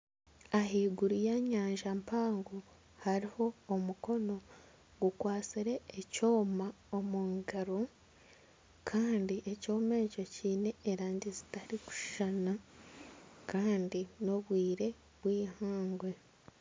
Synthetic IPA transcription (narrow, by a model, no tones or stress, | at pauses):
aɦiːɡuɾujaɲaːɲʒampaːŋɡo | haɾiho̞ːmuko̞no̞ | ɡukwaːt͡siɾe̞ːco̞ːma | omuŋɡaɾo | kʰaːndiʔe̞co̞ːme̞ːco̞ciːne̞ːɾaːɲdizitaɾiku̥ʒ̥ana | kʰaːndino̞βwiːɾe̞ | βwiːhaːŋɡwe̞